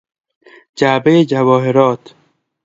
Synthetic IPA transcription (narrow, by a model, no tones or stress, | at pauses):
d͡ʒaːbejed͡ʒavɔːɦeɾɔːt̪